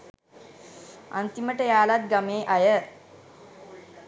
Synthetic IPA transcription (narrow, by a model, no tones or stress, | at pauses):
a̰nt̪iməʈəjaːlat̪̚ɡameːʔajə